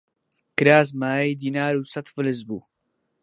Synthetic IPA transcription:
kɨɾaːs̬maːjid̪iːnaːɾuːsɐt̪fɨlɨs̬bṵː

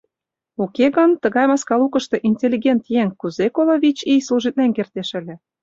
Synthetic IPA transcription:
okeɣə̆nt̪ɤ̆ɣɑjmɑskɑlukɤ̆ʃt̪eʔinʲtʲelʲːiɣʲent̪jeŋkuzekoloβʲit͡ɕijsluʒit̪̚nenkert̪eʃɘ̆lʲĕ

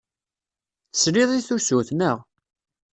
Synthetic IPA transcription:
θəsɾiðˤiθusuθnəʁ

